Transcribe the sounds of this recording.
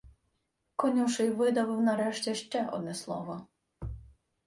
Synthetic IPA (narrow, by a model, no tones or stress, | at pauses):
kɔnʲiwʃɪjʋɪd̪ɐʋɪwnɐɾɛʃtʲɛʃt͡ʃɛʔɔ̰d̪̚nɛslˠɔʋɔ